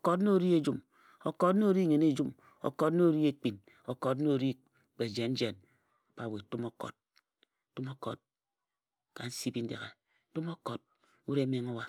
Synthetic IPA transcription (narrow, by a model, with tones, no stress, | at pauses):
o˨ko˦tn˦o˦ɾi˦e˦d͡ʒu˦m | o˨ko˦tn˦o˦ɾi˦ŋe˨ne˦d͡ʒu˦m | o̰˨ko˨tn˦o˦ɾi˦e˦k͡pi˨n | o˨ko˨t̬n˦o˦˨ɾi˦˨ | k͡pe˨d͡ʒe˨n̩˦d͡ʒe˨n | a˨pa˨we˨tu˦mo˦kɔ̰˨t̚ | tu˦mo˦ko̰˨t̚ | ka˨n̩˦si˦bi˦n̩˦dḛ˨ɣe˨˦ | tu˦mo˦ko˨t̚ | u˦ɾe˦me˨ŋo˦wa˦